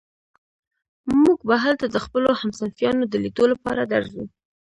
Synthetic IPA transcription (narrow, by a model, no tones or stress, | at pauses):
muɡbaɦalt̪ad̪əxpəlohamsanfjɑnod̪əlid̪olapɑ̰ɾad̪aɾzṵ